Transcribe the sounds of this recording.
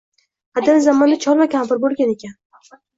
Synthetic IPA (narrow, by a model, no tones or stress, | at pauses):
ad̪anzamɒnd̪at͡ʃʰɒɾmakʲʰampɪɾbolˠɡʲane̞kʲan